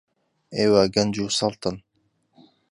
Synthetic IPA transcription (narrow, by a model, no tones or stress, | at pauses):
eːwaɡɐnd͡ʒuːsɐlˠt̪ɨn